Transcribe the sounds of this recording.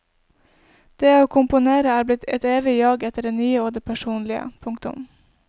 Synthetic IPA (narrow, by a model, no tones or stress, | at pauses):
d̪̥eːoːkʰʊmpʊneːɾəæːɾblɪt̪ʰɛ̰t̪eːʋɪjɑːɡɛt̪əɖeːnyːəoːd̪eːpʰæʃuːnlɪə̰pʰʊŋkt̪ʊ̰m